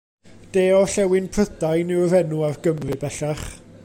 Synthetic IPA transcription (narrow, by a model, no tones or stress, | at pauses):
d̥eːɔɬɛwɪnpʰrədajnɪwɾɛnuarɡəmrɨbɛɬaχ